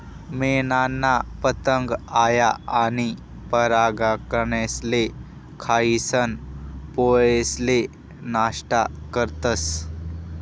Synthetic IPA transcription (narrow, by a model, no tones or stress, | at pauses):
meːnaːnːapət̪əŋɡaːjaaːni | pəɾaːɡakəɾnesle | kʰaːisənpoːesle | naːʃʈakəɾt̪əs